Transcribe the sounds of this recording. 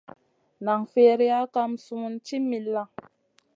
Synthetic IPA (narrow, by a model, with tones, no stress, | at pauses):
na˨ŋfe˦ɾi˦a˦ka˧msu˦u˦nt͡ʃi˦mi˨lːa˦ŋ